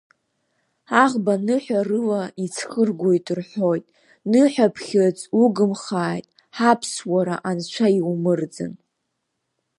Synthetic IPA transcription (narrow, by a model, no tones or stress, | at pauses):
aʁbanɨħʷᶣarɨlait͡sʰχərɡʷujtʼrħʷo̞jtʼ | nɨħʷᶣapʰχʲɪt͡sʼuɡɨmχaːjtʼ | ħapʰswaɾaʔant͡ʃʷʰaiwmɨrd͡zɨ̰n